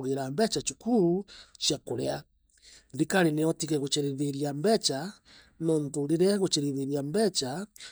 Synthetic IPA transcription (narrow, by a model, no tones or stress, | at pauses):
ɣeɾambɛt͡ʃat͡ʃukuɾuʃjakoɾɛa | ðikaɾineɔtiɣɛɣot͡ʃeɾeðeɾiambɛt͡ʃa | nɔntoɾiɾɛɣot͡ʃeɾiðeɾiambɛt͡ʃa